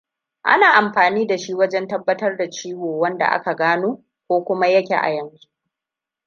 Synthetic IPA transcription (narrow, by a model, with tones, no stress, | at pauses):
ʔa̰˦naː˨ʔa˨mɸaː˨niː˦da˨ʃi˦wɐ˦d͡ʒɛ˦ntɐ˦bːɐ˦tɐ˦rda˨t͡ʃiː˦woː˨wɐ˦nda̰˨ʔa̰˦ka˨ɡaː˦noː˦ | kʷoː˦kʷʊ˦ma˦jɐ˦kʲḛ˨ʔa̰˨jɐ˦nzu˦ʔ